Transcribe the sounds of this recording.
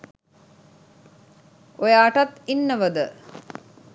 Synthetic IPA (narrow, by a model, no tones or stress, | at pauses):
ojəːʈat̪inːəʋəd̪ə